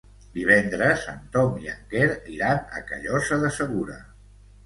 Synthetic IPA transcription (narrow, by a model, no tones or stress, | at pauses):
d̪iβ̞ɛnd̪ɾəsza̰nt̪ɔmia̰ŋɡeɾiɾanə̰kə̰ʎɔsəðəsəɣ̞uɾə